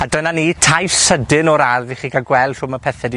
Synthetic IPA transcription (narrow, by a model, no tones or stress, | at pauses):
adənanitʰajfsədɪnɔɾaðiχiːkʰaɡwɛlˠd̥r̥ʊmapʰɛθɛd